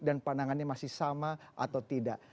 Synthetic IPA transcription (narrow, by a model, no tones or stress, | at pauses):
danpanaŋanɲamasɪhsamaʔa̰t̪awt̪idaʔ